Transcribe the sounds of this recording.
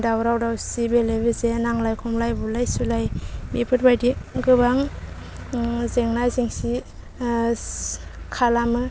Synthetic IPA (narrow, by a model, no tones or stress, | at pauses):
dawɾawdawsibelebɯzenaŋlajkʰɔmlajbulajsulajbipʰɯt̚bajdiɡɯbaŋ | zeŋnajziŋsi | kʰalamɯ